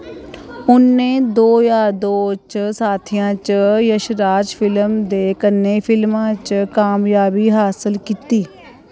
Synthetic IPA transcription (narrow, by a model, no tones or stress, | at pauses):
ʊnːeːd̪oːjaːd̪oːt͡ʃsaːt̪ʰijãːt͡ʃjəʃɾaːd͡ʒpʰɪləmd̪eːkənːeːpʰɪlmãːt͡ʃkaːmjaːbiːɦaːsəlkiːt̪iː